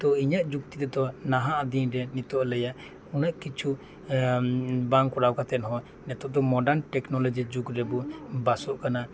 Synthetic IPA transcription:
t̪ɔiɲaʔd͡ʒukt̪it̪ɛd̪ɔnaɦaʔad̪iɲɾɛnit̪ɔʔlɛjaʔ | unaʔkit͡ʃʰu | baŋkɔɾawkat̪ɛnɦɔ̃ | nɛt̪ɔʔd̪ɔmɔɖaɾnʈɛknɔlɔd͡ʒid͡ʒukɾɛbɔbasɔʔkana

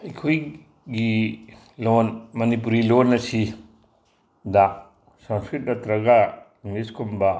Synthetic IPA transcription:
ɐkʰoj | ɡi | lonmɐnip̬uɾilonːɐsi | da | sɐ̃ŋskɾit̚dɐt̪ɾɐɡa | miskʰomba

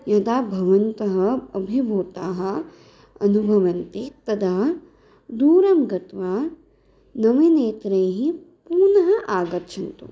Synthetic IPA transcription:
jɐt̪aːbʱɐʋɐnt̪ɐɦɐɐbʱibʱoːt̪aːɦɐ̆ | ɐnubʱɐʋɐnt̪it̪ɐd̪ʱaː | d̪uːɾɐmɡɐt̪ʋaː | nɐʋineːt̪ɾɐjɦi | puːɾnɐɦɐʔaːɡɐɾt͡ʃʰɐnt̪ṵ

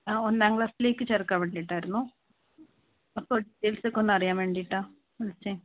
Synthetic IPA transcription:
aːonːaːŋkɭaːsile̞ːkːɨt͡ɕerkːaːmʋeːɳɖijiʈːaːjiɾunːu | ɐpːoɖiʈːejlsokːo̞nːɐrijaːmʋeːɳɖijʈːaː | ɐlt͡ɕːe

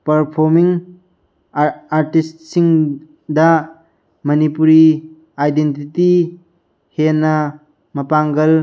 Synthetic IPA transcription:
pɐɾpʰoɾmiŋ | aɾtistsiŋ | dɐ | mɐnipuɾi | ajdentiti | henɐ | mɐpaŋɡɐl

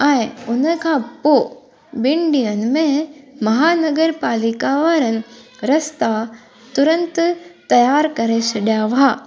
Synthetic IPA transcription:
ɛ̃ːɪ̃ʊnə̆kʰãːpo | bɪ̃ɳɖijənɪ̆mẽmɐɦaːnɐɡəɾpaːlikaʋaɾənɪ̆ɾɐst̪a | t̪ʊɾə̃nt̪t̪ɐjaːɾkɐɾesʰɐɗjaʋa

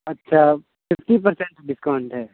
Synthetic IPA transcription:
ɐtːʃʰa | fɪfʈip̬ɐɾsẽɳʈɖɪskaːɳʈɦɛː

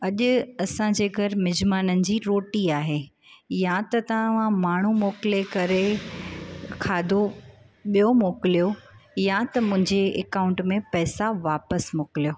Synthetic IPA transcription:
ɐʄʊ̆ɐsãd͡ʑeːɡʱɐɾɪmɪd͡ʑmaːnənɪ̆d͡ʑiːɾoːʈiaːɦe | jat̪ɐt̪ɐʋ̤ãmaːɳ̤umoːkɪlekɐɾe | kʰaːd̪ʱo | ɓijomoːkɪlijojat̪ɐmʊ̃ɦɪ̃ɲd͡ʑeɛkaːʊ̃ɳʈmẽpɛːsaʋaːpəsmʊkɪlijoː

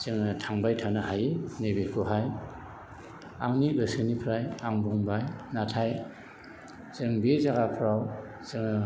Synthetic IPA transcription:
zɯŋɯtʰaŋbajtʰanaɦajenebekʰuɦaj | aŋniɾɯsɯnipʰɾajaŋbuŋbajnatʰaj | zɯŋbezaɡapʰɾaw | zɯŋ

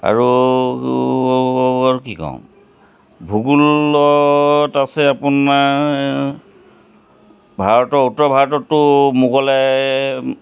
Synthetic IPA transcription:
a̰ɹu | aɹukikɔ̰̃ʊ̃ | bʱuɡulɔtasɛapuna | bʱaɹɔtɔutɔbʱaɹɔtɔtːʊmukɔlɛ

